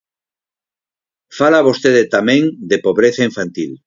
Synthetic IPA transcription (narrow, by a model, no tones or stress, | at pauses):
falaβost̪eðet̪amẽŋd̪epoβɾeθaiɱfãnt̪il